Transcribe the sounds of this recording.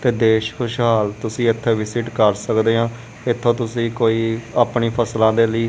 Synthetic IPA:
t̪eːd̪eːʃkʰʊʃɦaːlt̪ʊsĩːɪt̪ʰːẽːʋɪsɪʈkəɾsəkd̪eːɦãː | ɪt̪ʰːõːt̪̬ʊsĩːkoːiːaːpɳiːpʰəslãːd̪eːləiː

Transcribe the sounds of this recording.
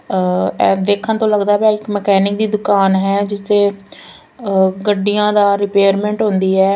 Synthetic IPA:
ɛ̃ːd̪eːkʰːənt̪õːləɡd̪aːbãːɪkmɛkɛːnɪk̚d̪iːd̪ʊkaːnɦɛːd͡ʒɪst̪eː | ɡəɖijãːd̪aːɾɪpeːəɾmɛ̃ːɳʈɦʊ̃nd̪iːɛː

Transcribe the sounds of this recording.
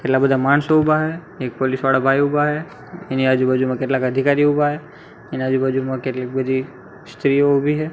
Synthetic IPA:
keʈlabəd̪amaːnsoʊbaɦɛ | eːk̚polisʋaɽabʱaːiʊbaɦɛ | ɪniad͡ʒubad͡ʒumẽkeːʈlakəd̪ʱikaːɾiʊbaɦɛ | ɪnad͡ʒubəd͡ʒumãkeʈlakbəd̪ʱi | st̪ɾijoobʱiɦɛ

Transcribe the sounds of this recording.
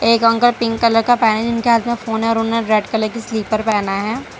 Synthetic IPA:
eːkɐ̃ŋkəlpɪ̃ŋkːɐləɾkapɛːned͡ʒɪnkeɦaːt̪mẽfoːnɦɛɔːɾʊnneɾɛːʈkɐləɾkisliːpəɾpɛːnaɦɛː

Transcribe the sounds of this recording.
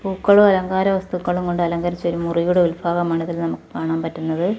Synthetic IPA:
puːkːɐɭumɐlɐŋɡaːɾɐʋɐst̪ukːɐɭumko̞ɳɖɨɐlɐŋɡɐɾit͡ɕːo̞ɾumurijuɽeulfʰaːɣɐmːɐɳuðɐlnɐmukːɨ̥kaːɳaːmpɐtːunːɐðɨ

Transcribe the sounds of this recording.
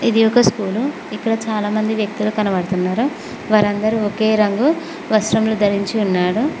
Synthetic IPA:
id̪iɔkɐskuːlu | ikːɐɽɐt͡ʃaːlaːmɐnd̪iʋjɐk̚t̪ulukɐnɐʋɐɽt̪unːaːɾu | ʋaːɾɐnd̪ɐɾiɔke̞ːɾɐŋɡu | ʋɐsɾɐmlud̪ʱɐɾiɲt͡ʃiunːaːɽu

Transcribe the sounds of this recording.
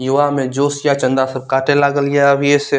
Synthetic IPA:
jʊʋamẽd͡ʒoːsjat͡ʃə̃nd̪asɐb̚kaːʈʰelaːɡəljaɐbjese

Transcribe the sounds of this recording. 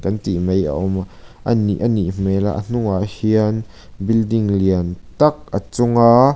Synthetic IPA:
kɐnt̪imeja̰ʔɔmʔəniʔəniʔm̥ɛla̰ʔə̰n̥uŋaʔhiən | bildɪŋliənt̪ɐk̚ʔət͡sʊŋaː

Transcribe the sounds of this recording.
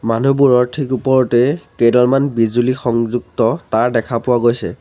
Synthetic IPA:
manubuɹɔɹtʰikupɔɹɔtɛkedɔlmanbizulixɔŋzuɡ̚tɔtaɹdɛkʰapʊwaɡojsɛ̰

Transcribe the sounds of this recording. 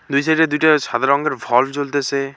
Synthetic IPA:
d̪ujsaɾiʈad̪ujʈaʃad̪ʱaɾɔŋɡeɾbʱɔlt͡ɕolt̪et͡ɕʰe

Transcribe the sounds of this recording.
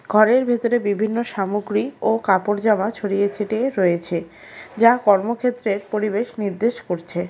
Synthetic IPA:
ɡʱɔɾeɾbʱet̪oɾebibʱinːoʃamoɡɾiokapoɾd͡ʑamat͡ɕʰoɽijet͡ɕʰeʈeɾɔet͡ɕʰe | d͡ʑakɔɾmokʰet̪ːɾeɾpoɾibeʃniɾd̪eʃkoɾt͡ɕʰe

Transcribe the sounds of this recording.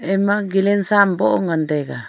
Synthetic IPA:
emaɡilensamboʔoŋand̪eka

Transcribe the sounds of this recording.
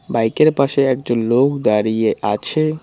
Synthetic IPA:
bajkeɾpaʃeɛk̚d͡ʑonlokd̪aɾijeʔat͡ɕʰe

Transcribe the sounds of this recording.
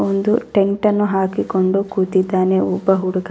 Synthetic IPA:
ond̪uʈeŋʈɐnːuɦaːkikoɳɖukuːt̪id̪ːaːneubɐɦuɽuk

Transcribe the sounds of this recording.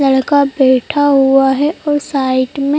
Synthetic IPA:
ləɽkabɛːʈʰaɦuaɦɛʔɔːɾsaːɪʈmẽ

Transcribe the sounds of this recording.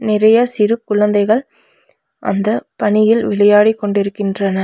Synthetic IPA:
nɪɾɐjɐsɪɾɯp̚kʊɭɐnd̪ɐɪɣɐɭ | ʔɐ̰nd̪ɐpɐɳɪjɪlʋɪɭɐjaːɽikːɔɳɖɪɾɯkːɪndrɐnɐ

